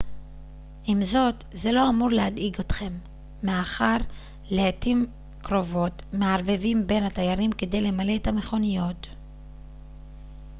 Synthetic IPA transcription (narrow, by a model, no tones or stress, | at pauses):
ʔimzo̞tze̞lo̞amuʁlehad̪iɡot̪χe̞mː | eaχaʁ | leatim | kʁo̞vo̞tmeaʁvevimbe̞nhat̪ajaʁimke̞de̞jle̞male̞etame̞χo̞nijo̞t